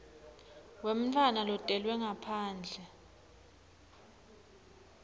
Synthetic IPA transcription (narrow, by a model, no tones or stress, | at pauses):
wem̩tʰwanalɔtʼɛlwɛŋapʰaːnd͡ɮʱɛ